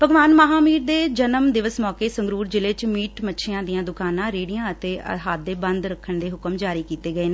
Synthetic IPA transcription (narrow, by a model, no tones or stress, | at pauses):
pəɡʋaːnməɦaːmiːɾd̪eːd͡ʒənəmd̪ɪʋəsmɔːkeːsəŋɡɾuːɾd͡ʒɪlet͡ʃmiːʈmətːʃʰeːãːd̪ɪjãːd̪ʊkaːnãːɾeːɽijãːət̪eːʔə̰ɦaːt̪̚d̪eːbənd̪ɾəkʰːəɳd̪eːɦʊkəmd͡ʒaːɾiːkiːt̪eːɡəeːneː